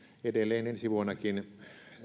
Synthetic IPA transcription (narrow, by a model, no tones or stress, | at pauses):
edelːˑeːnensiʋuonːɑkin